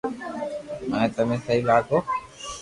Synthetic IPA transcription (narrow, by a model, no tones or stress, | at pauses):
məẽːt̪əm̤ẽːsəɦiːlaːkoː